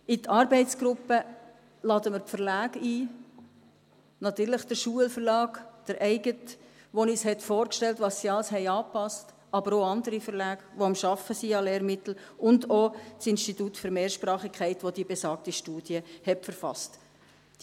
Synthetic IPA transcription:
ɪt̪ʰɑɾbɛɪtsɡ̥ɾʊpːə | lɑd̪əməfəɾlæːɡiː | nɑt̪yːɾləχd̥əɾʃuəlfəɾlɑːɡd̪̥əɾʔɛɪɡət | ʋonishɛtfoːɾkʃtɛltʋɑsːiɑlshɛɪɑːpɑst | ɑbəɾoɑnd̪əɾifəɾlæːɡ̥ʋoɑmʃɑfəsiɑleːɾmɪt̪l̩ | ʔʊndosɪnstitutfʏɾmeːɾʃpɾɑːχikʰχæɪtʋod̥̪ibesɑːk̚tiʃtuːd̥jəhɛpfəɾfɑ̰st

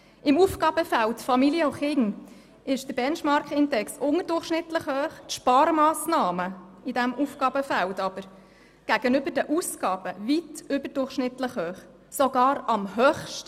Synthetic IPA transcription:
ɪmufkɡ̥ɑːb̥əfæltfɑmiljəoχɪŋ | ɪʃd̥əɾbɛnʃmɑɾkɪndɛksʊŋədʊrχʃnɪtləχhœːχtʃpɑːɾmɑːsnɑːməidæmʔufkɑːbəfæltɑb̥əɾ | ɡ̥æɡ̥ənʏb̥əɾdəʔuskɑːb̥əvitʏbəɾd̥ʊrχʃnɪtləχhøːχ | sɔɡɑːɾɑmɦœːχʃt

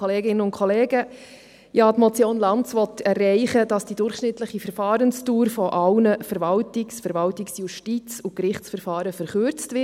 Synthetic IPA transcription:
oleːɡɪnənʊntkʰoleːɡə | jɑːtmɔt͡sjoːnlɑnt͡sʋɔt̪ʰɛrːɛɪχədɑsd̥idʊɾχʃnɪtləχifɛɾfɑːɾənstuːɾfɔʔɑlnəfɛɾvɑltɪksfɛɾvɑltɪksjuʃtit͡sukɾɪχt͡sfəɾfɑːɾəfəɾχøɾt͡stvɪ

